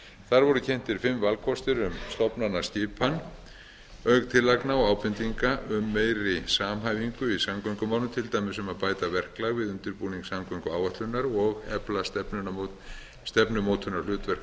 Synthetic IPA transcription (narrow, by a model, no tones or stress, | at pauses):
θaɾvɔɾʏcʰɛn̥t̪ɪɾ̥fɪmːvalkʰɔst̪ɪɾʏmst̪ɔpnanːḁst̪ɪːpʰan | œkt̪ʰɪlːajknaɔaːwpɪnt̪iŋkaʏmːeːjɾɪsaːmɦaːjviŋkʏisamkœŋkʏmaːwnʏt̪ʰɪlt̪aːjmɪsɛmaðpaːjt̪avɛr̥klaɣvɪðʏnt̪ɪɾpuːniŋksamkœŋkʏaːwvaht̪lʏnaɾɔɣɛplast̪ɛnʏna | st̪ɛpnʏmoːwt̪ʰʏnaɾ̥lʏːt̪vɛr̥k